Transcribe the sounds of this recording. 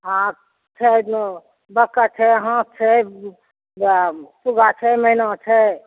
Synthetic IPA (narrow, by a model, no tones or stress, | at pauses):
ɦã | t͡ʃʰɛ | bəkːat͡ʃʰɛɦãt͡ʃʰɛ | suɡat͡ʃʰɛməinat͡ʃʰɛ